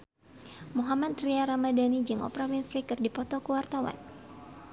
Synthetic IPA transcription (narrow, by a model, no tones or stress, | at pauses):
moɦamat̪̚ːɾiaɾamadanid͡ʒɨŋʔɔ̰pɾawinfɾikɨrdipɔt̪ɔkuwart̪awa̰n